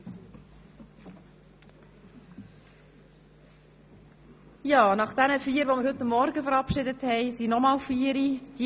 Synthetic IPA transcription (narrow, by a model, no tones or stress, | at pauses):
jɑːnɑχd̥ænəfiːəɾʋɔmɪɾhɵt̪ːɑmːɔɾɡəfəɾɑpʃɪdəthɛɪsinɔmɑːlfiːəɾid̥i